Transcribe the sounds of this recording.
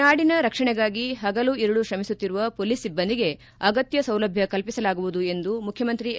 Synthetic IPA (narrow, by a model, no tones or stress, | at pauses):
aːɽinɐɾɐkʂɐɳɛɡaːɡiɦɐɡɐluiɾuɽuʃɾɐmisut̪ːiɾuʋɐpoːliːsːibːɐnd̪iɡe̞ | ɐɡɐt̪jɐsɐwlɐbʱjɐkɐlpisɐlaːɡuʋud̪ue̞nd̪umukʰjɐmɐnt̪ɾi